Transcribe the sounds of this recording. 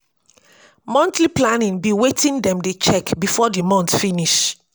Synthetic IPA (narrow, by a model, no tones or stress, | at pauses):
mɔ̃ntliplanĩŋbiwetĩndɛ̃mdet͡ʃɛkbifɔdimɔ̃ntfiniʃ